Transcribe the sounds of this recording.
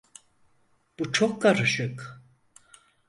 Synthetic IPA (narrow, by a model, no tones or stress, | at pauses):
b̥ut͡ʃʰokʰːaɾɯʃɯk